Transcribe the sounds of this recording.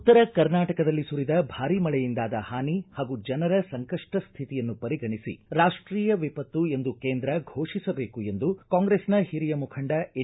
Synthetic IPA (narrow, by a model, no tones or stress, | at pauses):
ut̪ːɐɾɐkɐɾnaːʈɐkɐd̪ɐlːisuɾid̪ɐbʱaːɾimɐɭɛjind̪aːd̪ɐhaːnihaːɡud͡ʒɐnɐɾɐsɐŋkɐʂʈɐst̪ʰit̪ijɐnːupɐɾiɡʱɐɳisḭɾaːʂʈɾiːjɐʋipɐt̪ːue̞nd̪ukeːnd̪ɾɐɡʱo̞ːʂisɐbe̞ːkue̞nd̪ukaːŋɡɾeːsnɐhiɾijɐmukʰɐɳɖɐe